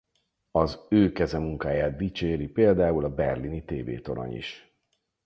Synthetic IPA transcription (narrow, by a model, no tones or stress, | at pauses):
ɒzøːkɛzɛmuŋkaːjaːt̪̚d̪it͡ʃeːɾipeːld̪aːulɒbɛrlinit̪eːvḛːt̪o̞ɾo̰ɲḭʃ